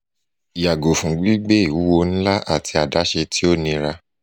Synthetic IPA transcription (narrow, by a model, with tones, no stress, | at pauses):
i˨ja˨ɡo˨fũ˨ɡ͡bi˨˦ɡ͡be˦i˨wu˨˦wo˧n̩˦la˦ʔa˦˨ti˧a˨da˨˦ʃe˧tʰi˦o˦˨nĩ˧ɾa˧